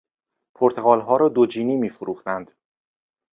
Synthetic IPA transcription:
pʰoɾt̪ʰe̞ɣɒːlɦɒːɾɒːd̪od͡ʒiːniːmiːfoɾuːxt̪ænd̪̥

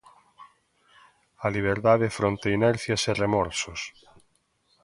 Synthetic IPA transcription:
ɐliβ̞eɾðaðefɾont̪einɛɾθjɐseremɔɾsos

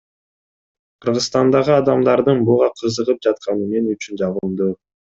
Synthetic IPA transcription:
qʰɯɾʁəsst̪ɑnd̪ɑʁɯɑd̪ɑmd̪ɑɾd̪ɯnbuʁɑqʰɯzɯʁɯp̚d͡ʒɑt̪̚qɑnɯme̞nyt͡ʃynd͡ʒɑʁmd̪u

